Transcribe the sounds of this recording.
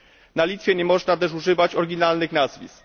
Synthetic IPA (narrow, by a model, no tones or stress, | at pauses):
nalʲit̪fʲjɛɲɛmɔʐnat̪̬ɛʂuʐɘvat͡ɕɔɾɡʲinalnɘxnazvʲḭs